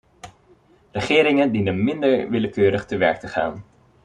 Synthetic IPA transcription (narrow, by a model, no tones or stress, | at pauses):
rəχɪːɾɪŋəndinənmɪndəɹʋɪləkøːɾəχtəʋɛ̰ɹk̚təχa̰ːn